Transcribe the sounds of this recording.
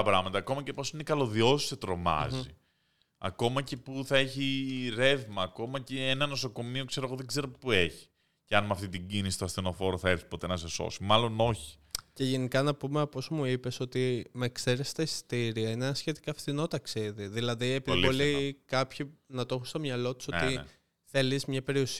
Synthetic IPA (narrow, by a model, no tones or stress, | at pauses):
ɐpɾɐ̰mɐt̪ɐːko̞mɐcepo̞sinekɐlo̞ðio̞si̥set̪ɾo̞mɐ̰zi | ɐ̰ko̞mɐce̞puθɐe̞çiɾe̞vmɐːko̞mɐceenɐnoso̞ko̞mio̞kse̞ɾo̞ɣo̞ðeɡze̞ɾopueçi̥ | ceɐnmɐft̪it̪iɟinisist̪oɐst̪ino̞fo̞ɾoθɐeɾfsi̥po̞t̪e̞nɐseso̞̰simɐlo̞no̞çi̥ | ce̞ʝe̞nikɐnɐpumeɐpozmuipe̞so̞t̪imekse̞ɾest̪ɐist̪iɾiɐinenɐsçe̞t̪i̥kɐːfθino̞t̪ɐksiðiðilɐðiepiðllolikɐpçinɐt̪oxust̪omɲɐlo̞t̪u̥sot̪ḭ | θe̞lizmɲɐpe̞ɾios